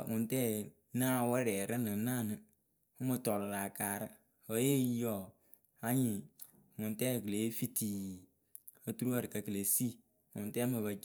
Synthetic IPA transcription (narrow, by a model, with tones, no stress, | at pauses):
ŋʊ˨ntɛː˦ | naː˦˨wɛ˦ɾɛ˨ɾɨ˦nɨ˨˦naː˦˨nɨ˨ | ʊ˦mɨ˧tɔ˨lɨ˨ɾa˨kaː˨ɾɨ˦ | o˨˦je˦ji˦jɔ˨ | a˦ɲi˨ | ŋʊ˨ntɛː˦˨kɨ˨le˨˦fi˦ti˨ | o˦tu˦ɾu˦wa˦˨ɾɨ˨ka˨kɨ˨le˨si˦˨ | ŋʊ̰˨ntɛ˦mɨ˨βa˨˦